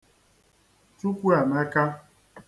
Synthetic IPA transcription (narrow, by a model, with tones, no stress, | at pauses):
tu˦kʷu˦a˨ma˦ka˦